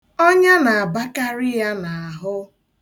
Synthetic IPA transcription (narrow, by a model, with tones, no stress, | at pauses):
ɔ˦ɲa˦na˨a˨ba˦ka˦ɾɪ˦ja˦na˨a˨ɦʊ˦